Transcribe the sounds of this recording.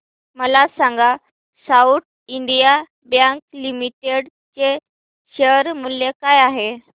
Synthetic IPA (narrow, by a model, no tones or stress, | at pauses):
məlasaŋɡa | sauʈ̚ | iɳɖija | bjaŋklimiʈeɽ | t͡se | ɕəɾmuljekajaɦe